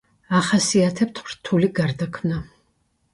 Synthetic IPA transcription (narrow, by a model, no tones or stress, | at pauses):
aχasiat̪ʰɛp̚t̪ʰχɾt̪ʰuliɡaɾd̪akʰmna